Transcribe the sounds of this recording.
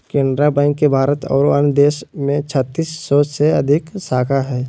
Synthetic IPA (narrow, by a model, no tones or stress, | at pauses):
kẽːnɖɾabɛ̃ːŋkːebʱaːɾət̪ɔ̰ːɾoand̪eːʃmẽt͡ʃʰət̪ːiːsːɔːseɐd̪ʱɪksaːkʰaɦɛː